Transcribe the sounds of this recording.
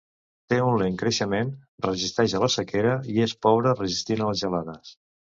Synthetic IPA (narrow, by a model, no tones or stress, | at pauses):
t̪eunleŋkɾəʃəmenrəʒist̪ɛʒələsəkeɾəiespɔβɾərəʒist̪inəlˠzʒəlaðəs